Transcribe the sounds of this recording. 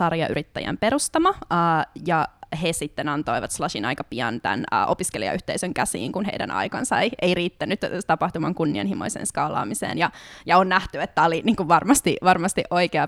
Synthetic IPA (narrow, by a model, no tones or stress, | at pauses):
sɑrjɑʔy̰ɾit̪ːæjæ̰mpeɾust̪ɑmɑːjɑhesit̪ːenɑnt̪o̞iʋɑt̪slɑʃinɑ̰jkɑpiɑ̰nt̪æ̰nːʔo̞piskelḭɑ̰yht̪eisøŋkæsḭːŋkunɦeidæ̰nʔɑ̰jkɑnsɑiʔeiriːt̪ːænyt̪ːt̪ɑpɑht̪umɑŋkunːiɑ̰nhimo̰isḛnskɑːlɑ̰ːmisḛːnjɑjɑonnæht̪yet̪ːæoliniːŋkuʋʋɑrmɑst̪iʋɑrmɑst̪iʔoikeɑ